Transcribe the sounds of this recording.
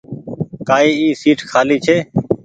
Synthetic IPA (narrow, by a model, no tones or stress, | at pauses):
kaːiːiːsiːʈkʰaːliːt͡ʃʰeː